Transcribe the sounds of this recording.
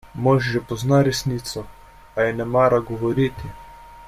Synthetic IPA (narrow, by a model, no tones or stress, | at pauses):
mɔʃʒɛpɔznaɾɛsniːt̪sɔ | ajɛnɛmaːɾaɡɔʋɔɾiːt̪i